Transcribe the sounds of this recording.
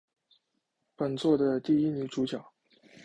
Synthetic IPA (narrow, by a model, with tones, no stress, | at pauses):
pə˨˩nt͡swɔ˥˩d̪ə˩t̪i˥˩i˥ny˧˥ʈ͡ʂu˧˥t͡ɕjɑ˨˩˦ʊ